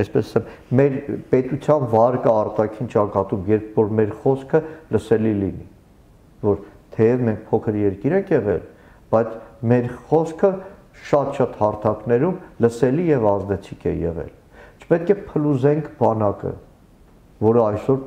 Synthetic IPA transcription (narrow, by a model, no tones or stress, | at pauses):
ɛspɛsɑ̥sɛmmɛɾpɛt̪ut͡sʰjɑnvɑɾkəɑrt̪ɑkʰint͡ʃɑkɑt̪umjɛɾpʰvɔɾmɛɾχɔskʰələsɛlilini | vɔɾt̪ʰɛjɛvmɛŋk̚ʰpʰɔkʰəɾjɛɾkiɾɛŋkʰjɛʁɛ̰l | b̥ɑjt͡sʰmɛɾχɔskʰə | ʃɑt̪ʃɑt̪hɑɾt̪ʰɑknɛɾumləsɛlijɛvɑzd̪ɛt͡sʰikʰɛ̰jɛ̰ʁɛ̰l | t͡ʃʰə̥pɛt̪̚kɛpʰəluzɛŋkʰbɑnɑkə̰ | vɔɾəɑjsɔɾ